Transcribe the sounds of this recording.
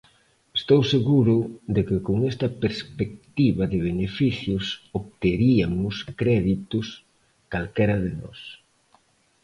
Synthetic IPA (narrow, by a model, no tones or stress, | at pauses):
est̪owseɣuɾʊd̪ekɪkoŋɛst̪ɐpeɾspek̚t̪iβɐðɪβ̞enefiθjʊsoβt̪eɾiamʊskɾɛðit̪ʊs | kalkɛɾɐðɪnɔ̰s